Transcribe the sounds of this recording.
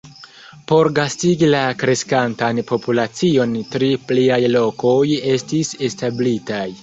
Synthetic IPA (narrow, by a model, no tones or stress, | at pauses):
po̞ɾɡastiɡilakɾe̞skantanpʰo̞pulat͡sio̞ntɾipliajlo̞ko̞je̞stise̞stablitaj